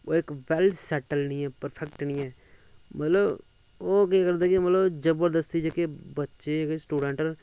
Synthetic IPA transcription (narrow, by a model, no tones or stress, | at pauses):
oːɪkʋɛlsɛːʈəlnĩːɛːpəɾpʰɛkʈnĩːɛː | mət̪ləb | oːkeːkəɾd̪aːkimət̪ləbd͡ʒəbəɾd̪əst̪id͡ʒekebətːʃeːksʈuːɖə̃ɳʈəɾ